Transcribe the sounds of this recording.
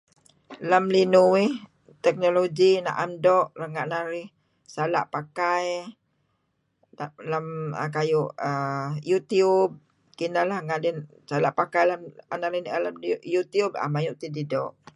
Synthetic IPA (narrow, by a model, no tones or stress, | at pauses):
lamlinuwɪh | t̪ɛk̚noloɡina̰ʔamdɔʔləŋaʔnaɾɪh | sala̰ʔpakaj | na̰ʔlamə̰kajuʔəjut̪iub̚ | kinalahŋadɛn | salaʔpakajlamanaʔlinʔalamjut̪juba̰majuʔt̪ididɔ̰ʔ